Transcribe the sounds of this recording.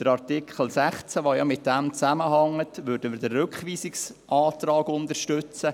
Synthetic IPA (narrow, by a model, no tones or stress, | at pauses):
d̪̥əɾɑɾtikʰχəl̩sæχt͡sæʋojɑmɪt̚d̥ɛmt͡sæməɦɑŋːətʋʏɾdəmɪːɾdərːkχʋiːsɪksʔɑːtrɑːɡʊnd̪əɾʃtʏt͡sə